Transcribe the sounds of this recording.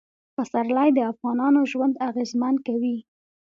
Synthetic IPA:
pəsaɾlajd̪əafɣɑnɑnoʒwand̪aɣezmankawi

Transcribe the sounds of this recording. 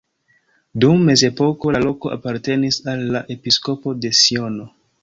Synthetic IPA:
dumːe̞ze̞po̞ko̞lalo̞ko̞ʔa̰paɾte̞nisalːaʔe̞pisko̞po̞de̞sio̞no̞

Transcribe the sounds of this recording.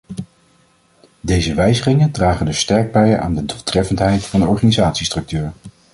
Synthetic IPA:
dejzəʋɛjzəχɪŋəndraːχəndɵsːtɛɹɡ̚bɛja̰ːndədulˠtrɛfəntɦɛjtfɑndəɔɹχaːnizaːtsistrɵk̚tyːɹ

